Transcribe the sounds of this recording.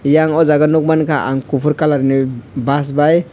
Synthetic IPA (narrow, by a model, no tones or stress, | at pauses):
jaŋɔzaɡanɔk̚mankʰaʔa̰ŋkupʰuɾkalaɾnibas̬baj